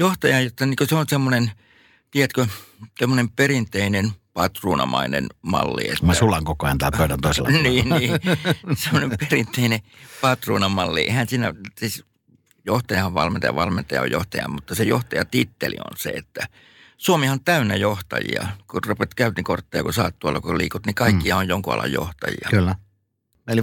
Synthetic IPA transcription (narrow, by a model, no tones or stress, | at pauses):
joht̪ɑjɑjjot̪ːɑniːkøseonsemːonen | t̪iejæt̪køsemːonemperint̪einenpɑt̪ruːnɑ̰mɑinḛnmɑ̰lːḭḛtmæsulɑŋkokojɑnt̪ɑːøytænt̪oˑiselːɑniːniːsemːonemperint̪einepɑt̪rṵːnɑmɑlːiḛhænsiːnæsis | joht̪ɑjɑhɑʋʋɑlment̪ɑjɑ̰ʋɑlment̪ɑjɑ̰o̰jo̰ht̪ɑjɑ̰mut̪ːɑsejo̰ht̪ɑjɑt̪it̪ːelḭo̰nsḛet̪ːæ | suomihɑont̪æynːæjoht̪ɑ̰jḭɑ̰kurupet̪kæyt̪nikort̪ːɑjɑ̰kusɑːt̪ːuɑlːɑkolḭːkot̪nikɑikːihɑojjoŋkuɑ̰lɑ̰jjo̰ht̪ɑjḭɑkylːæ | li